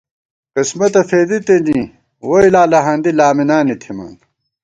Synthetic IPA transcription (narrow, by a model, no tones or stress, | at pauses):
kismɐt̪ɐfeːd̪it̪eni | woilaːlɐɦɐ̃nd̪ilaːminaːnit̪ʰima̰ːn